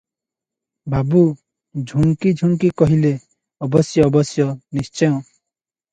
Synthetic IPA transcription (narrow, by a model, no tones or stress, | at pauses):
babu | d͡ʒʱuŋkid͡ʒʱuŋkikɔɦile | ɔbɔsjɔːbɔsjɔnist͡ʃɔjɔ̃